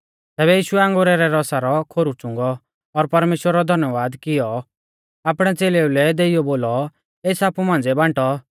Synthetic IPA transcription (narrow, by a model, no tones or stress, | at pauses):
t̪ɛːβɛjiːʃuɛãŋɡoɾɛɾɛɾɔsaɾɔkʰoɾut͡ʃʊ̃ŋɡɔː | ɾpɐɾmeːʃwəɾːɔd̪ʱɐnjəʋaːd̪kɪjɔ | aːpɽ̃ɛt͡seːleulɛd̪eijɔboːlɔ | eːt͡sʰaːpumãːnd͡zɛbãɳʈɔ